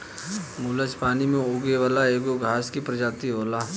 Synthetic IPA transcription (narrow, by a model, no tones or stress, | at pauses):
muːləspaːnimẽoːɡeʋaːlaeːɡoɡʱaːskipɾɐd͡ʒaːt̪iɦoːlaː